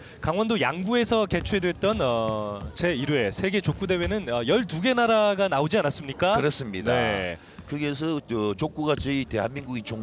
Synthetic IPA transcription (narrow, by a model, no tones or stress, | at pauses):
kaŋwʌndojaŋbue̞sʰʌke̞t͡ɕʰue̞dwet̚t͈ʌnʌt͡ɕe̞iɾue̞sʰe̞ɡe̞t͡ɕok͈ude̞we̞nɯnʌjʌɭtuɡe̞naɾaɡanaod͡ʑianas͈ɯmɲik͈akɯɾʌs͈ɯmɲidnae̞ | kɯɡes̬ʰʌʌt͡ɕok͈uɡat͡ɕɯite̞ɦanmiŋɡuɡit͡ɕo